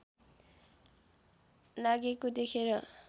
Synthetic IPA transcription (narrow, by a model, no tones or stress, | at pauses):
laɡekod̪ekʰeɾʌ